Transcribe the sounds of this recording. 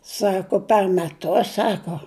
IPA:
ˈsɑːkoː pʲɛr mʲɛˈtʊs ˈsɑːkoː

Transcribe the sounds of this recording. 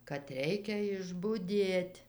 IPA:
kɐt ˈrʲɛɪkʲɛ ɪʒbʊˈdʲeːtʲ

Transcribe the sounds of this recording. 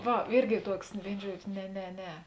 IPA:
ˈʋɐ ˈɪrʲɡʲɪ ˈtuɔks ˈʋʲeːɪnoː ˈʒuɔd͡ʒʲoː nʲɛ nʲɛ ˈnʲɛ

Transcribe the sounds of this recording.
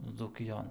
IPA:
d͡zuːkʲɪˈjoːn

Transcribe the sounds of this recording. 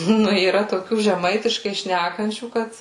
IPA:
ˈnʊ iːˈrɐ toːˈkʲuː ʒʲɛˈmɐɪtʲɪʃkɐɪ ˈʃʲnʲækɐnʲt͡ʃʲuː ˈkɐt

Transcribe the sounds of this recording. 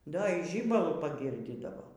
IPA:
ˈdɐ iː ˈʒʲiːbɐlˠʊ pɐˈɡʲɪrʲdʲiːdɐʋoː

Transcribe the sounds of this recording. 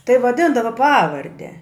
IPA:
tɐɪ ʋɐˈdʲɪndɐʋɐ ˈpɑːʋɐrʲdʲɛ

